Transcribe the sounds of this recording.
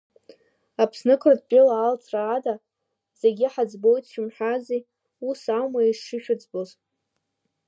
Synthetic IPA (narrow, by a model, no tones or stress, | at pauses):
apʰsnɨkʷʰʼrd̚pʼɪlaːlt͡sʰraːda | z̥eɡʲɪħad͡zbo̞jtʰʃᶣumħʷᶣazej | usawmaiʂʂɨʃᶣʊd͡zboz